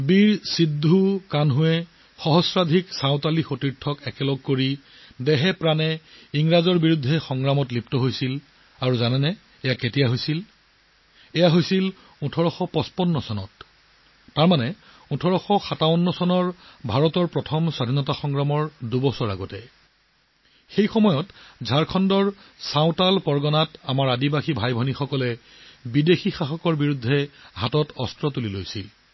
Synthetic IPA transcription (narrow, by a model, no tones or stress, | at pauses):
biɹsidʱːukanɦʊɛ | xɔɦɔsɹadʱiksaʊ̃talixotiɹtʰɔkɛkɛlɔɡ̚koɹi | dɛɦɛpɹanɛiŋɹazɔɹbiɹudʱːɛxɔŋɡɹamɔtlip̚tɔɦojsil | aɹuzanɛnɛ | ɛjaketijaɦojsil | ɛjaɦojsil | utʰɔɹɔxɔpɔspɔnːɔsɔnɔtː | aɹmanɛ | utʰɔɹɔxɔxataɔnːɔsɔnɔɹbʱaɹɔtɔɹpɹɔtʰɔmsadʱinɔtaxɔŋɡɹamɔɹdubɔsɔɹaɡɔtɛ | xejxɔmɔjɔtzʱaɹkʰɔndɔɹsaʊ̃talpɔɹɡɔnatamaɹadibaxibʱajbʱɔnixɔkɔlɛ | bidexixaxɔkɔɹbiɹudʱːɛɦatɔtɔstɹɔtulilojsil